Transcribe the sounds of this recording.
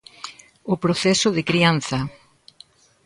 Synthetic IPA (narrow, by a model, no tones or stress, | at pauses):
ʊpɾoθɛsʊðɪkɾian̟θɐ